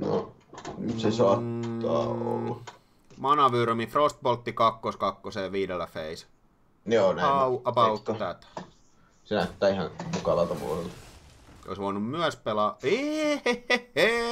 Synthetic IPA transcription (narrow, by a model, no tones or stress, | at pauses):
no̰ | sesoɑt̪ːɑ̰ːo̰lːɑ | mɑnɑʋyrmifrost̪̚polt̪ːikɑkːoskɑkːoseːʋiːdelːæfḛis | jonæɑuʔɑpɑut̪ːt̪æt̪æ̥ | senæyt̪ːæːihɑ̃nmukɑlɑt̪ɑʋṵːlelːɑ | o̰isʋoˑinummyæspelɑːe